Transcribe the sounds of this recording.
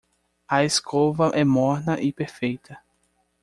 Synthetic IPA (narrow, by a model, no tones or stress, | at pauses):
ɐeskʰovɐʔɛmɔɾnɐʔɪpeɾfejt̪ʰɐ